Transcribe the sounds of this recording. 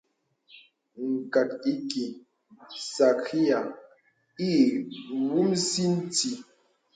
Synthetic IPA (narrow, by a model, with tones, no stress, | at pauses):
ŋ̩˨ka˨ti˦ki˨ | sa˨ki˦ja˨ | i˦˨wu˦msi˦n̩˦ti˨